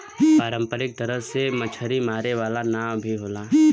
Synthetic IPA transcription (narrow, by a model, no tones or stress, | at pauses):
paːɾə̃mpəɾɪk̚t̪ɐɾəsemɐt͡ʃʰəɾimaːɾeʋaːlanaːmbʱiɦoːlaː